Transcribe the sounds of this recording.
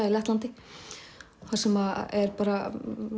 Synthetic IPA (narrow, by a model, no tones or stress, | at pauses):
ailɛht̪lant̪ɪ | θaɾ̥sɛmaɛɾpaːɾa